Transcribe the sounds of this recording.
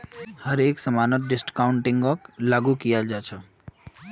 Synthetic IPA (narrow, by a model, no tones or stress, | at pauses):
hʌɾeksʌmanʌt̪̚ɖisʈkawɳʈiŋɡʌklaɡukijad͡zat͡sʰʌ